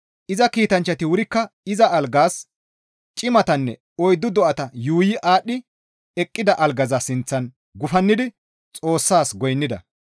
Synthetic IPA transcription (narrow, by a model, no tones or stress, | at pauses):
ʔɪzɐkiːt̪ɐnt͡ʃːɐt̪ɪwʊɾɪkːɐɪzɐɐlɡaːs | t͡ʃʼɪmɐt̪ɐnːɛ | ɔjd̪ʊd̪ɔʔɐt̪ɐjuːjɪʔaːɗːɪ | ɛkʼːɪd̪ɐʔɐlɡɐzɐsɪnt͡sːɐn | ɡʊfɐnːɪd̪ɪ | t͡sʼo̞ːsːaːsɡɔjnːɪd̪ɐ̰